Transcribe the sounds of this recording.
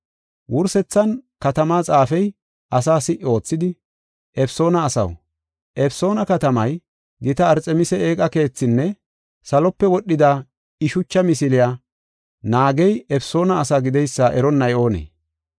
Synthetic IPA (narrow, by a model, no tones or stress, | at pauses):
wʔʊɾsɛt͡sːɐnkɐt̪ɐmaːt͡sʼaːfɛj | ʔɐs̬aːsɪʔo̞ːt͡sːɪd̪ɪ | ʔɛfso̞ːnɐːsɐ̰w | ʔɛpso̞ːnɐkɐt̪ɐmɐj | ɡɪt̪ɐːɾt͡sʼɛmɪsɛeːkʼɐke̞ːt͡sːɪnːɛ | sɐlɔpːɛwɔɗːɪd̪aː | ɪʃʊt͡ʃːɐmɪsɪlɪjaː | naːɡɛjɛfso̞ːnɐːsaːɡɪd̪ɛjsːaʔɛɾɔnːɐjo̞ːnḛː